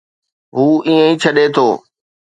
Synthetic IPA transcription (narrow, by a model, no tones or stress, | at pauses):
ɦuːĩːə̃ĩːt͡ɕʰəɗet̪ʰoː